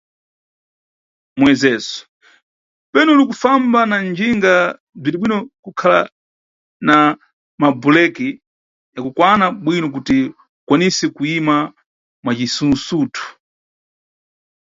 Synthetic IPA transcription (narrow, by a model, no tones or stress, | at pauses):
mwɛzɛs | pɛnɛulikufambanand͡ʒiŋɡa | b͡ʐidiɓwinɔkukʰala̰ | na | mabulɛki | akukwanaɓwinɔk̬uti | ukwanisɛkuima | mwat͡ʃisunsuːtʰu̥